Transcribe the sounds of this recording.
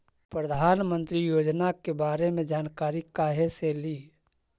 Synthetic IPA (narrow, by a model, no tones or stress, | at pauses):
pɾəd̪ʱaːnmə̃nt̪ɾijoːd͡ʒnakebaːɾemẽd͡ʒaːnkaːɾikaːɦeseliː